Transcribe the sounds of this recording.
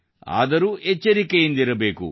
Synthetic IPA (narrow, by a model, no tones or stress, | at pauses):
a̰ːd̪ɐɾuːʔet͡ʃːɐɾikejind̪iɾɐbe̞ːkṵ